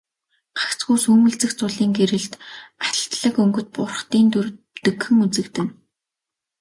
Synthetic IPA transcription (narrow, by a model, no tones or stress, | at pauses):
ɢḁkt͡sɡuːsuːmɘ̆ɮt͡sɘ̆xt͡sʊɮiːŋɡeɾɘ̆ɮt̪at̪ə̆ɬt̪ɮə̆kɵŋɡɵ̆t̪̚pʊrχt̪iːnt̪ʰɵr | t̪ɵ̆kxɘ̆ŋut͡sɘ̆kt̪ɘ̆n